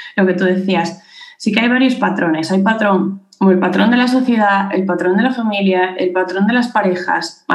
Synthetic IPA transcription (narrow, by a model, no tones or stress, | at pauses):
lo̞ke̞t̪uðe̞θiasːikeajβ̞aɾjo̞spat̪ɾo̞ne̞sajpat̪ɾo̞ŋ | elpat̪ɾo̞nd̪e̞las̬o̞θje̞ð̞ae̞̰lpat̪ɾo̞nd̪elafamiljaelpat̪ɾo̞nd̪e̞laspaɾe̞xa̰sm